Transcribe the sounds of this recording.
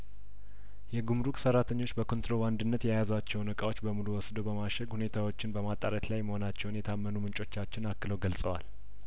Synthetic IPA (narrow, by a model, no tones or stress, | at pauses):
jɛɡumɾukʼsərɾːat̪ʰəɲːo̞t͡ʃːbəkʰo̞nt̪ɾo̞band̪ɨnːət̪jajazwat͡ʃːɛwnəkʼawo̞t͡ʃːbəmuluwɔsd̪owbəmaʃɛɡhune̞t̪ʰawot͡ʃːɪnbəmat̪ʼːaɾət̪lajməho̞nat͡ʃːɛwnjɛt̪ʰamːənumɨnt͡ʃʼo̞t͡ʃːat͡ʃːɪnakːɨləwɡəlsʼəwa̰l